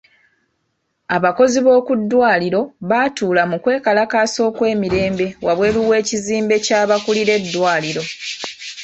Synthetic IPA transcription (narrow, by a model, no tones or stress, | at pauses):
aβako̞ziβo̞ːkudːwaːliɾo̞βatuːlamukwe̞ːkalakaso̞ːkwe̞ːmiɾe̞ːmbe̞waβwe̞ːluwe̞ːciziːmbe̞caːβakuliɾe̞dːwaːliɾo̞